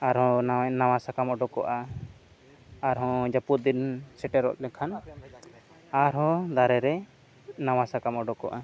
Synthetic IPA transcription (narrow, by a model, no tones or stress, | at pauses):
aɾɦɔ̃nawasakamɔɖɔkɔ̰ʔa | ɾɦɔ̃d͡ʒaput̪̚d̪insɛʈɛɾɔ̰ʔt̪ɛkʰan | aɾɦɔ̃d̪aɾɛɾɛ | nawasakamɔɖɔkɔ̰ʔa